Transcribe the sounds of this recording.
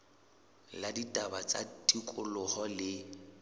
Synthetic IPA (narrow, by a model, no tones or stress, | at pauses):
laditʼabat͡sa̰tʼikʼʊlʊhɔlɪ